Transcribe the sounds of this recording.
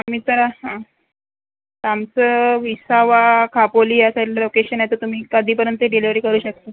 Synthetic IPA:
am̤iːt̪əɾahã | t̪amt͡səʋisaʋakʰapoliːjasaʈilalokeɕənjaet̪ət̪um̤iːkad̪ʱiːpəɾjənt̪ːeɖeliʋɾiːkəɾuːɕək̚t̪ə

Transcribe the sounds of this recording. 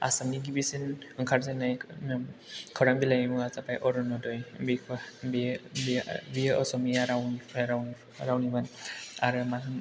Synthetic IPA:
a̰samniɡibisinɯŋkʰaɾzanːaj | kʰɔɾaŋbilajmuat͡sapajʔɔɾunɔdɔjbikʰbibbiʔɔsɔmijaɾawnɾawn | ɾawnibana̰ɾɯmanɯn

